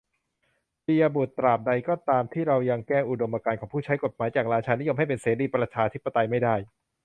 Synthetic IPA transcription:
piː˧ja˧bu˨˩t̪ːɾaː˨˩p̚da˧jkɔː˥˩t̪aː˧mt̪ʰiː˥˩ɾa˧wja˧ŋkɛː˥˩ʔu˨˩do˧mʔaː˧kaː˧nkʰɔː˩˦pʰuː˥˩t͡ɕʰa˦˥jko˨˩t̪̚maː˩˦jt͡ɕaː˨˩k̚ɾaː˧t͡ɕʰaː˧ni˦˥jo˧mha˥˩jp̬e˧nseː˩˦diː˧pɾa˧t͡ɕʰaː˧t̪ʰi˦˥pːa˧t̪a˧jma˥˩jdaː˥˩j

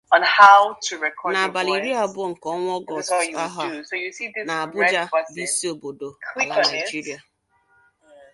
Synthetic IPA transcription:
ə̃nhaʊtʰɨɹɛkʰɔna˨ba˨li˨ɾi˦a˦a˦bʊ˦ŋ̩˨kɔ˦ŋʷ˦ɔ˦ɡɔ˨sa˦ɦa˦ojusidɪna˨a˨bʊ˦d͡ʒa˦bi˦si˦o˨bo˨do˨kʰli˨la˨nana˨˦d͡ʒi˦ɾi˦a˨

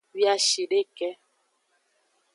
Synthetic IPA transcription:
wja˦ʃi˨ɗe˦kɛ˦

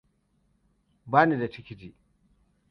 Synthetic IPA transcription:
baː˦ni˨da˨t͡ʃi˦kʲi˦di˨

